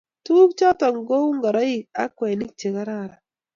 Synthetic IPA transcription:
tu˦kt͡ʃɔ˦tɔ˨ŋ˨ɡo˦wŋɡa˨ɾɔ˦i˨a̰˦kwɛ˨ni˦k̚t͡ʃe˨ka˦ɾa˦˨ɾa˨

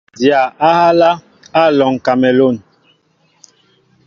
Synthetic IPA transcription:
dja˨a˦ha˦la˦ | a˦˨lɔ˨ŋ˨ka˨mɛ˨lo˦˨n

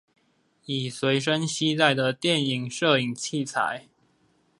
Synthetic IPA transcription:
i˨˩swe˧˥ɪʂə˦ŋɕi˥t̪a˥˩ɪd̪ə˨˩t̪jɛ˥˨ni˨˩ŋʂɤ˥˧i˨˩ŋt͡ɕʰi˥˩t͡sʰa̰˨˦ɪ

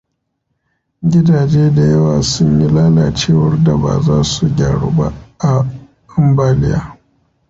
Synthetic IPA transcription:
ɡʲɪ˦daː˨d͡ʒeː˦da˨jɐ˦waː˨sʊ˦ɲji˦laː˦laː˨t͡ʃeː˦˨wɐ˦rda˨ba̰ː˨zaː˦su˨ɡʲaː˨ɽṵ˦ba̰˦ʔa˨ | ɐ˦mbaː˦lɪ˦ja̰ː˦

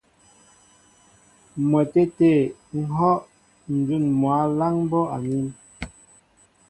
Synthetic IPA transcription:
mɛ˨te˦te˦˨ŋ̩˦ɦɔ˦ʔ | n̩˨d͡zu˦˨nmwa˨˦la˦ŋm˦bɔ˦a˨ni˦m

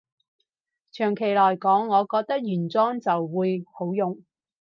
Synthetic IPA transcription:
t͡ʃʰœː˨˩ŋkʰe˨˩jlɔː˨˩jkɔː˨˥ŋːɔː˨˧kɔː˧k̚t̪ɐ˥k̚jyː˨˩nt͡sɔː˥ŋt͡sɐ˨wːuː˨˧jho˨˥wjʊ˨ŋ

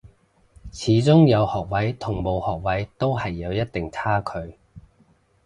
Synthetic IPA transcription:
t͡sʰiː˨˥t͡sʊ˥ŋjɐ˨˧whɔː˨˩k̚wɐ˨˥jt̪ʰʊ˨˩ŋmo˨˧whɔː˨k̚wɐ˨˥jt̪o˥wɦɐ˨jːɐ˨˧wjɐ˥t̚t̪ɪ˨ŋt͡sʰaː˥kʰɵ˨˧ɥ

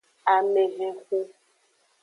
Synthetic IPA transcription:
a˨me˨ɣe˨xu˦

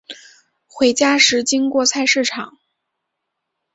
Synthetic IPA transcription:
xwe˧˥ɪt͡ɕja˥ʂɻ̩˧˥t͡ɕi˥ŋkwɔ˥˧t͡sʰa˥˧ɪʂɻ̩˥˩ʈ͡ʂʰɑ˨˩˦ŋ

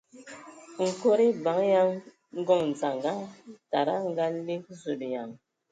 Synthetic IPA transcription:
ŋ̩˨ko˦ɾi˦ba˨˦ŋja˦ŋ | ŋ̩˦ɡɔ˦˨ŋn̩˨d͡za˨ŋɡa˦ta˨ɾa˦ŋ˦ɡa˦li˦k̚zu˨ɗja˨ŋ

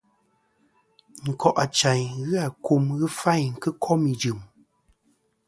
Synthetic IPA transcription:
ŋ̩˨kɔ˨ʔa˨t͡ʃa˨ɲɣɨ˦a˨ku˨mɣɨ˦fa˦˨ɲ̩˨kɨ˦kʰɔ˦mi˨d͡ʒɨ˨m

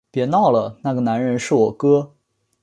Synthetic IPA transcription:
pjɛ˨˧˥nɑ˥˩ʊlə˩na˥˩ɡə˩na˧˥nɻə˧˥nʂɻ̩˥˩wɔ˨˩kɤ˥

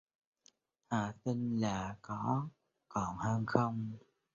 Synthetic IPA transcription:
haː˨˩t̪i˧ŋlaː˨˩kɔ˨˦ | kɔ˨˩nhəː˧nxə˧wŋ͡m

